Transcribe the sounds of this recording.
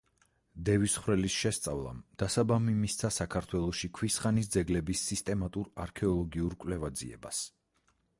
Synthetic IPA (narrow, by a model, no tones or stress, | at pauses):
d̪ɛvisχwɾɛlisʃɛst̪sʼa̰vlˠa̰md̪̥asabamimist̪sʰasakʰaɾt̪ʰwɛlˠɔʃikʰwisχanisd̪zɛɡlɛbisːist̪ʼɛmat̪ʼuɾaɾkʰɛɔlˠɔɡiuɾkʼwlɛvad̪zḭɛ̰ba̰s